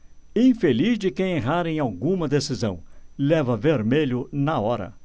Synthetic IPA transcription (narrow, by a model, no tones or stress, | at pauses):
ĩj̃felizd͡ʒɪkẽj̃eɦaɾẽj̃awɡũmɐd̪esizɐ̰̃w̃lɛvɐveɾmeʎʊnɐɔɾɐ̰